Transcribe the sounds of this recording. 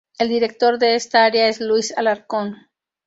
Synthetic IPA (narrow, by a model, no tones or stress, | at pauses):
e̞ld̪iɾe̞k̚t̪o̞ɾðe̞est̪aaɾeae̞zlwuisalaɾko̞n